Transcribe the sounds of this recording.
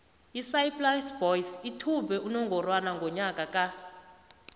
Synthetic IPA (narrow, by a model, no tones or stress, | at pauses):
isajplajsbɔjsitʰubɛʔunɔŋɡʱɔrwanaŋɡʱɔɲakʼakʼa